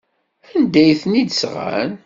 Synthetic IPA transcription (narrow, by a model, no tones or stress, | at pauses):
ənd̪æjθnid̪əsʁa̰n